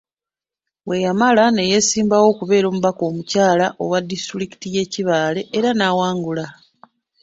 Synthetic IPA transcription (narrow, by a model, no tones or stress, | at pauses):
we̞jamalane̞je̞siːmbawo̞ːkuβe̞ːɾo̞ːmuβako̞ːmucaːlaʔo̞̰wadːistuɾiki̥tije̞ciβaːle̞ʔːɾanawaːŋɡula